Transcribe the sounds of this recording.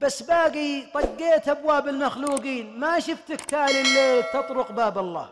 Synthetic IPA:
b̥asːbaːɡit̪ˤɑɡːeːt̪ʔabwaːbɪlmaxluːɡiːnmaʃʊft̪ɪkt̪aːlɪlːet̪ɑt̪ˤɾʊqbaːbɑlˤːɑ̰ː

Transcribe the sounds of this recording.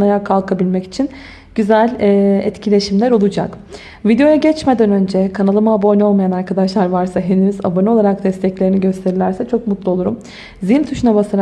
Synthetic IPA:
ajakʰalˠkʰabilʲmɛci̥t͡ʃʰin | ɟyzælʲːɛ̰t̪cʰilʲe̞ʃimlʲæɾo̞lˠud͡ʒa̰k | vid̪ejo̞jaɟɛt͡ʃme̞d̪ænø̞nd͡ʒɛkʰanalˠɯmaːbo̞no̞lˠmajanaɾkʰad̪aʃlˠaɾvaɾsaɦenyyza̰banɯo̞lˠaɾak̚d̪ɛst̪ʰɛclʲe̞ɾiniɟø̞st̪ʰe̞ɾilʲæɾsɛt͡ʃʰo̞k̚mut̪lˠuo̞lˠuɾṵm | ziimt̪ʰuʃunabasaɾ

